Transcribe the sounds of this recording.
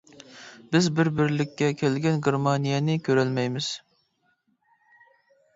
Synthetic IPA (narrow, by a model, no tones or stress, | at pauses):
bɪzbɪɾbɪɾlɪkʲːɛkʲʰelɡʲɛnɡʲɪɾmɑnijɛnɪkʲʰøɾɛlmɛjmɪz̥